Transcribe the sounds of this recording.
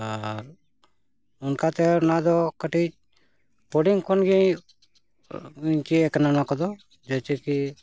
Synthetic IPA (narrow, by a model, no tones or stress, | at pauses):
aɾ | unkat̪ɛnad̪ɔkəʈit͡ʃ | poɖiŋkʰɔnɡi | iɲt͡ʃieknanakɔd̪ɔ | d͡ʒɛt͡ʃɛki